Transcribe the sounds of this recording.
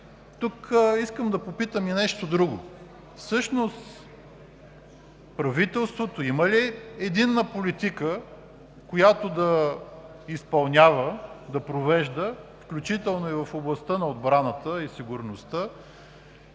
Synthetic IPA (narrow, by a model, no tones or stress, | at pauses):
t̪ukiskəmd̪ɐpopit̪əminɛʃt̪od̪ɾuɡʊ | fsɤʃnost̪ | pɾɐvit̪ɛlˠst̪vot̪oimɐliɛd̪inːəpolit̪ikə | kojat̪od̪ɐ | ispɐlˠnʲavəd̪ɐpɾovɛʒd̪əfklʲut͡ʃit̪ɛlˠnoivəfoblˠɐst̪ənɐod̪bɾanət̪əisiɡʊɾnost̪ə